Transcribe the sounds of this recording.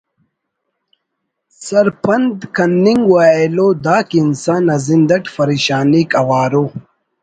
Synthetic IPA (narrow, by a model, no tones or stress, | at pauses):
sɐɾpʰɐnd̪kɐnːiŋɡwaːeloːd̪aːkinsaːnɐzind̪ɐʈfɐɾiːɕaːnikɐwaːɾo